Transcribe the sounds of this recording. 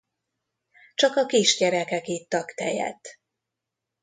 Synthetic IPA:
t͡ʃɒkɒkiʃɟɛɾɛkɛkit̪ːɒkt̪ɛjɛ̰t̪ː

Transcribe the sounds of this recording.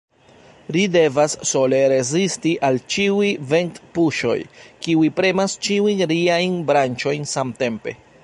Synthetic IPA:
lide̞vasːo̞le̞ɾe̞zistiʔalt͡ʃiujve̞ntpuʃo̞̰jkiuipɾe̞mast͡ʃiujɾiajnbɾant͡ʃo̞jnsamte̞mpe̞̰

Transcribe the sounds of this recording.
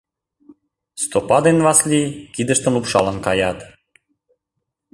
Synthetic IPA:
st̪opɑd̪envɑslʲikid̪ə̆ʃt̪ə̆mlupʃɑ̰lə̆nkɑjɑt̪

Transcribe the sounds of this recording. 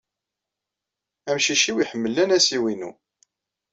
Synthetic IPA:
æmʃiʃiwiħəmːəlːænæsiwinṵ

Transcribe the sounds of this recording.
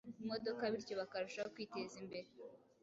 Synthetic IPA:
mo̞do̞kaβiɾco̞βakaɾuʃaokwiːte̞zimbe̞ɾe

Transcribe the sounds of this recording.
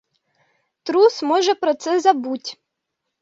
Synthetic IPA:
t̪ɾusmɔʒɛpɾɔt̪sɛzɐbutʲ

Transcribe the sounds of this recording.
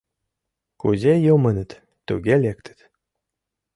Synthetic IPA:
kuzejomə̆nɘ̆t̪ | t̪ṵɡʲelʲek̚t̪ʰɘ̥̆t̪

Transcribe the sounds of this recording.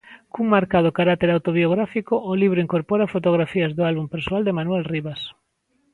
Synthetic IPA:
kuŋmaɾkaðokaɾat̪eɾawt̪oβioɣ̞ɾafikoʔːliβɾʊiŋkoɾpoɾafot̪oɣ̞ɾafiazðʊalβumpeɾswald̪emanwelriβas

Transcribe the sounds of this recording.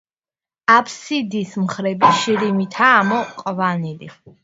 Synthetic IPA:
apʰsid̪ismχɾɛbiʃiɾimit̪ʰaːmɔqʼvanilḭ

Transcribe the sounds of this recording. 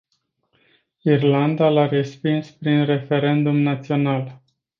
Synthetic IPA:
irland̪alaɾe̞spinspɾinre̞fe̞ɾe̞nd̪umnat̪sio̞nal

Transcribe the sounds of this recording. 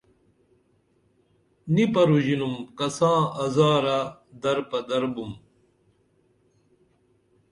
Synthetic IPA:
nipɐɾuʑinumkɐsãːɐzaːɾad̪ɐɾpɐd̪ɐɾbum

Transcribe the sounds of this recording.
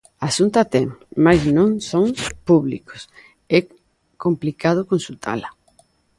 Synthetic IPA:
asunt̪at̪ɛŋmajznõŋsoŋpuβlḭko̥s | ɛ | komplikað̞ʊkõnsult̪ʰa̰lɐ

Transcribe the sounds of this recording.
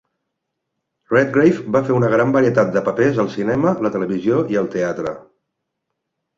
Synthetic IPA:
rɛt̪̚ɡɾejfbafeunəɣ̞ɾambəɾiət̪at̪̚d̪əpəpezəlˠsinɛmələt̪ələβizjoiəlˠt̪eat̪ɾə̰

